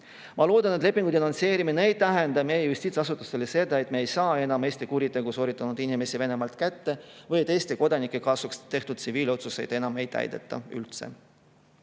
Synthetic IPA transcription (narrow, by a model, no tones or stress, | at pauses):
mɑlo̞ːd̪ɑnet̪le̞pːˑiŋɡud̪inɑnse̞ːɾimineejt̪æɦend̪ɑme̞jejust̪iːt̪sɑsut̪ːˑu̥st̪elese̞d̪ɑe̞t̪ːˑmeejsɑːe̞nɑme̞ːsʲt̪ikuɾit̪ːˑe̞ɡ̥uso̞ːɾit̪ːˑɑnud̪̥inʲime̞sive̞ne̞mɑlt̪kæt̪ːe̞vɤjet̪e̞ːst̪iko̞d̪ɑnikːˑekɑːsukst̪e̞ht̪ud̪̥t̪siviːlo̞t̪suse̞jd̪̥e̞nɑmejt̪ːˑæ̰jd̪̥ḛt̪ˑːɑ̰y̰lt̪se̞̰